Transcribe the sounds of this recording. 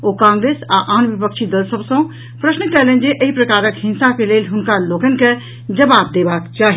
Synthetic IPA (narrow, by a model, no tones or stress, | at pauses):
okãŋɡɾesaʔaːnbipəkt͡ʃʰid̪əlsəbsə̃ | pɾəsnəkɛlend͡ʒeʔəɦipɾəkaɾəkɦĩnsakelelɦʊnkaloɡənke | d͡ʒəbab̚d̪ebaːkt͡ʃaːɦi